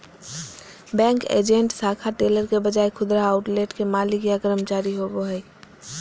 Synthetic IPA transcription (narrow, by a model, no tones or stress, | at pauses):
bɛ̃ːŋkḛːd͡ʒẽɳʈsaːkʰaʈeːləɾkebəd͡ʒaːekʰʊd̪ɾaaːʊʈleːʈkemaːlikjakəɾəmt͡ʃaːɾiɦoːboɦɛ